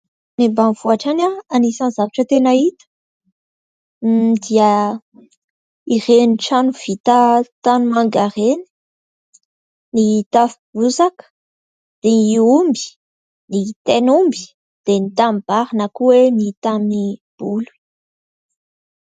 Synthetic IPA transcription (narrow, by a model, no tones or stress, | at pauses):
nimbanv̥uaʈ͡ʂanaanisãnzavaʈ͡ʂət̪enait̪ə̥ | d̪iə | ireniʈ͡ʂanuv̥it̪at̪anumaŋɡaɾeni̥ | nit̪afib̥uzakə̥ | d̪̥eniumbi̥ | nit̪enumbi̥ | d̪̥enit̪amb̥aɾinakuwenit̪amnib̥ulu̥